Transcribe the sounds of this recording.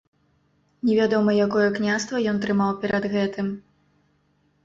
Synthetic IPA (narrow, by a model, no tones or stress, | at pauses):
nʲɛvʲad̪ɔmɐjakɔjɛknʲast̪vɐjɔnt̪ɾɨmawpʲɛɾɐd̪ɣɛt̪ɨm